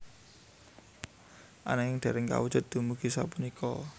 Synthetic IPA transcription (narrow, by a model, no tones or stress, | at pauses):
ʔa̰naɪŋd̥ɛ̤ɾɪŋka̰wud̥ʒ̥ʊ̤t̪̚d̪̥ṳmuɡ̥isapunikʰɔ̰